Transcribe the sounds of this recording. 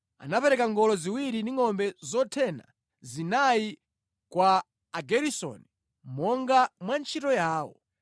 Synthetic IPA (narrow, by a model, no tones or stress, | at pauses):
a̰napɛɾɛkaŋɡɔlɔziwiɾindiŋɔmbɛzɔtʰɛna̰ | zinai | kwaː | ɡɛɾisɔ̰ni | mɔŋɡamwant͡ʃʰitɔjaːwɔ̰